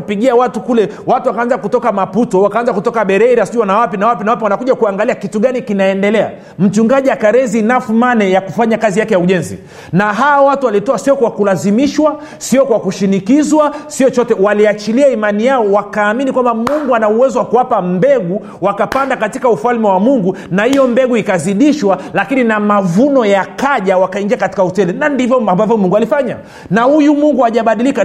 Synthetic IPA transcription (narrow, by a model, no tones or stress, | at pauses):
piɠiawatukulɛ | watuwakaanzakutɔkamaputɔwakaanzakutɔkaɓɛɾɛɾasʄuwanawapinawapinawapiwanakuʄakuaŋɡaliakituɠanikinaɛndɛlɛa̰ | m̩t͡ʃuŋɡaʄiakaɾɛzinafumanɛjakufaɲakazijakɛjauʄɛnzḭ | naɦaawatualitɔasiɔkwakulazimiʃwa | siɔkwakuʃinikizwasiɔt͡ʃɔtɛwaliat͡ʃiliaimanijaɔwakaːminikwambamuŋɡuanauwɛzɔwakuwapambɛɡu | wakapandakatikaufalmɛwamuŋɡunahijɔmbɛɡuikaziɗiʃwalakininamavunɔjakaʄawakaiŋɡiakati̥kautɛlɛnandivɔambavjɔmuŋɡualifaɲa̰ | nahujumuŋɡuaʄaɓaɗilika